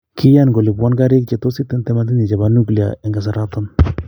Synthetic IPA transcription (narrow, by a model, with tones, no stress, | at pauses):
kʰi˦ja˦nɡo˨li˨bwa˦nka˦ɾi˦k̚t͡ʃɛ˨to˦si˦t̪ːɛ˦ntɛ˦ma˦t̬i˦ɲi˨t͡ʃɛ˨ba˨nu˦kli˨a̰˨ɛ˨ŋɡa˨s̬a˨ɾa˦tɔ˦n